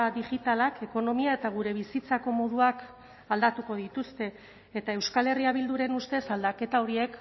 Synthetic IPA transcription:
diʝit̪alake̞ko̞no̞miae̞t̪aɣ̞uɾe̞β̞isit͡sako̞mo̞ð̞uak | ald̪at̪uko̞ðit̪ust̪e̞ː | t̪ae̞wskale̞riaβild̪uɾe̞nust̪e̞sald̪ake̞t̪ao̞ɾie̞k

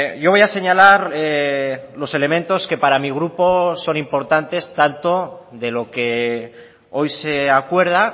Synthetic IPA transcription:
ʝo̞β̞o̞jase̞ɲalaɾelo̞se̞le̞mẽ̞nt̪o̞ske̞paɾamiɣ̞ɾupo̞so̞nimpo̞ɾt̪ant̪e̞st̪ant̪o̞ | ðe̞lo̞ke̞ | o̞jseakwe̞ɾð̞a

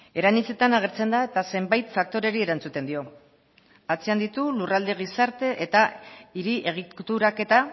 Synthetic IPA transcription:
e̞ɾanit͡se̞t̪anaɣ̞e̞ɾt͡se̞nd̪ae̞t̪ase̞mbajt̪fak̚t̪o̞ɾe̞ɾie̞ɾant͡sut̪e̞nd̪io̞ | at͡siand̪it̪ulurald̪e̞ɣ̞isaɾt̪e̞ʔet̪aiɾiʔe̞ɣ̞it̪uɾake̞t̪a

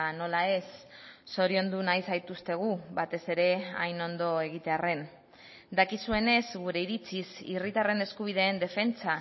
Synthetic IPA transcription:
no̞lae̞sːo̞ɾio̞nd̪unajsajt̪ust̪e̞ɣ̞uβat̪e̞se̞ɾe̞a̰jno̞nd̪o̞e̞ɣ̞it̪e̞are̞n | d̪akisue̞ne̞zɡuɾe̞iɾit͡sisirit̪are̞ne̞skuβ̞iðe̞ːnd̪e̞fe̞nt͡sa

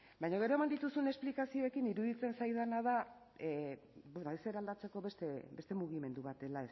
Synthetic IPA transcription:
bajɲoɣ̞e̞ɾo̞emand̪it̪usune̞splikasio̞e̞kiniɾuðit͡se̞nsajðanað̞a | benoese̞ɾald̪at͡se̞ko̞βest̪ebe̞st̪e̞muɣ̞ime̞nd̪uβat̪e̞laes

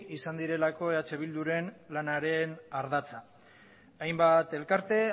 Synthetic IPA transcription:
isand̪iɾe̞lako̞e̞at͡ʃe̞β̞ild̪uɾe̞nlanaɾe̞naɾðat͡sa | ajmbat̪e̞lkaɾt̪e̞

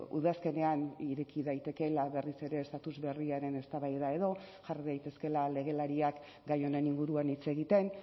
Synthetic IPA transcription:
ṵðaske̞ne̞aniɾe̞kiðajt̪e̞ke̞laβe̞rise̞ɾe̞ːst̪at̪uzβe̞riaɾe̞ne̞st̪aβajðae̞ðo̞ʝariðajt̪e̞ske̞lale̞ɣ̞e̞laɾiak | ɡajo̞ne̞niŋɡuɾuanit͡se̞ɣ̞it̪e̞n

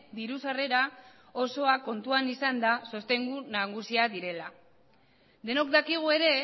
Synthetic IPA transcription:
d̪iɾusare̞ɾa | o̞so̞ako̞nt̪uanisand̪aso̞st̪e̞ŋɡunaɣusiaðiɾe̞la | d̪e̞no̞kd̪akiɣ̞ue̞ɾe̞

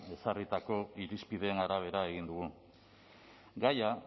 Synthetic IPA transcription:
e̞sarit̪ako̞iɾispið̞eːnaɾaβ̞e̞ɾae̞ɣ̞ind̪uɣu | ɡaja

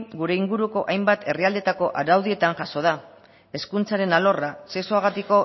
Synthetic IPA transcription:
ɡuɾe̞iŋɡuɾuko̞ʔajmbat̪ʰe̞riald̪e̞t̪ako̞ʔaɾawðie̞t̪aŋʝaso̞ð̞a | e̞skunt͡saɾe̞nalo̞rase̞soaɣ̞at̪iko̞

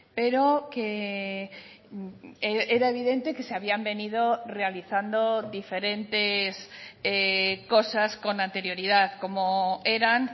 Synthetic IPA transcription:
peɾoke | eeɾaeβ̞iðẽ̞nt̪e̞keseaβiambe̞nið̞orealiθand̪oðife̞ɾẽ̞nt̪esekosasko̞nãnt̪e̞ɾjo̞ɾiðaðkomoeɾaŋ

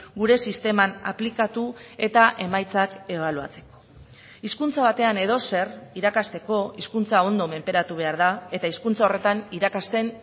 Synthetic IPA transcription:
ɡuɾe̞sist̪e̞mana̰plikat̪ue̞t̪aʔe̞majt͡sake̞β̞alua̰t͡se̞̥ko̞̥ | iskunt͡saβ̞at̪e̞ane̞ð̞o̞se̞riɾakast̪e̞ko̞iskunt͡sao̞nd̪o̞me̞mpe̞ɾat̪uβ̞e̞aɾðae̞t̪aiskunt͡sao̞re̞t̪aniɾakast̪e̞n

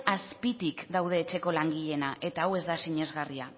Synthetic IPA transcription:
aspit̪ikd̪awð̞e̞ːt͡ʃe̞ko̞laŋɡiʎe̞naʔe̞t̪aːwe̞zd̪asiɲe̞zɣaria

